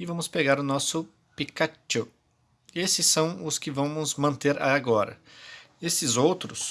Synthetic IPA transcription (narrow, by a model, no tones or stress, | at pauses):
ɪvɐ̃mʊspeɡaɾʊnɔsʊ | pikat͡ʃo | esɪsːɐ̃w̃ʊskɪvɐ̃w̃mʊzmɐ̃nt̪eɾa̰aɡɔɾɐ̰ | esɪzowt̪ɾʊs